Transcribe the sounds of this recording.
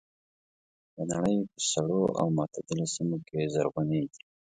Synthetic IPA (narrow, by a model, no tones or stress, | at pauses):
d̪ənaɽəjpəsaɽoʔa̰wmat̪ʰad̪ɪlosimokʰezaɾɣʊned̪i̥